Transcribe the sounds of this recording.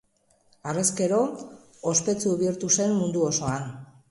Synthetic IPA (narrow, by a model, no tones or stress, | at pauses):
are̞ske̞ɾo̞ː | spe̞t͡suβiɾt̪use̞mmund̪uo̞so̞an